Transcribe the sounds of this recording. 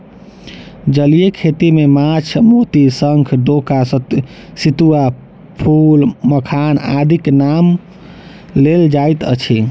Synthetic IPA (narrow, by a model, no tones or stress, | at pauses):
d͡ʒəlijekʰet̪imemat͡ʃʰmot̪isəŋkʰɖoka | sit̪ua | pʰulməkʰana̰d̪ʱiknam | leld͡ʒajt̪ə̰t͡ʃʰi